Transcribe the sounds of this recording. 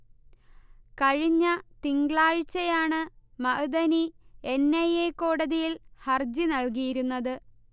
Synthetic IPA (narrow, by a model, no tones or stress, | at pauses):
kɐɻiɲːɐt̪iŋɡɭaːɻt͡ɕːɐjaːɳɨmɐʔɨd̪ɐnie̞nːɐjeːkoːɽɐðijilhɐrd͡ʑinɐɭk̬ijiɾunːɐðɨ